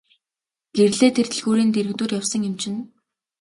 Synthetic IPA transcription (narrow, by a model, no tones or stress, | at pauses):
ɡ̥erɮeːt̪ʰer̥t̪ʰĭɮɣuːɾiːnt̪eɾɘ̆kt̪uːrjawsə̆ŋjɪ̆mt͡ɕʰɪ̆n